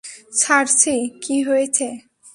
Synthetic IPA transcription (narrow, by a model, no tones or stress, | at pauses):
t͡ɕʰaɾsikiɦoet͡ɕʰe